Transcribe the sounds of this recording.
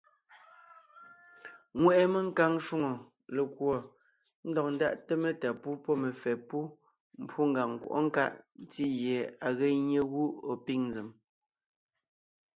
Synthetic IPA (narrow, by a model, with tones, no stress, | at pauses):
ŋwɛ˨ʔɛ˦˨me˦ŋ̩˦ka˦˨ŋʃu˦ŋo˨ | le˨kwɔ˨ | n̩˦dɔ˨k̚n̩˦da̰˦ʔte˦me˦ta˨pu˦pɔ˦me˨fɛ˨pu˦ | m̩˦pʰu˦ŋ̩˨ɡa˨ŋ˨kwo̰˨ʔo̰˦ŋ̩˦ka̰˦ʔn˦ti˦je˨a˨ɣe˦ɲe˦ɣu˦o˨pi˦ŋnd͡ze˨m